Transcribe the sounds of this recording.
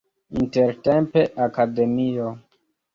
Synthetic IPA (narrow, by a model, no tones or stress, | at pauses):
inteɾtempe̞ʔakade̞mio